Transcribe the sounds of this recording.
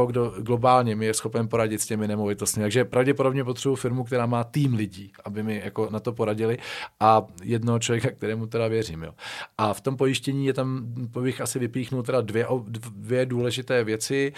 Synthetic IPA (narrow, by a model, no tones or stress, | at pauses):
oɡdoɡlo̞baːlɲɛmɪjɛsxo̞pɛnpo̞ɾaɟɪt̪scɛmɪnɛmo̞vɪt̪ost̪mɪt̪aɡʒɛpɾavɟɛpodo̞bɲɛp̬ot̪r̥ɛbufɪɾmuk̚t̪ɛɾaːmaːt̪iːmlɪɟiːʔabɪmɪjako̞nat̪o̞po̞ɾaɟɪlɪʔajɛdnoɦot͡ʃlovjɛkak̚t̪ɛɾɛːmut̪ɛdavjɛriːmjo̰ːʔaft̪o̞mpo̞jɪʃcɛɲiːjɛt̪ampbɪxʔasɪvɪpiːxnult̪ɛdadvjɛʔoddvjɛduːlɛʒɪt̪ɛːvjɛt͡sɪ